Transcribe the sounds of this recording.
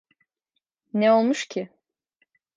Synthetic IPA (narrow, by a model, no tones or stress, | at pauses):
nɛo̞lˠmuʃcʰɪ